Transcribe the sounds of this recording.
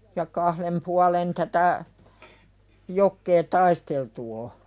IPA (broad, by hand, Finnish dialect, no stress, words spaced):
jɑ kɑhlem puɑlen tætæ jokːeː tɑisteltu o